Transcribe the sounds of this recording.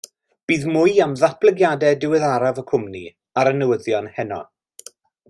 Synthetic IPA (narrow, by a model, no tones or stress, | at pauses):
b̥iːðmʊjamðaplˠəɡjadɛdɪwɪðaɾavəkʰʊmni | aɾənəwəðjɔnhɛnɔ̰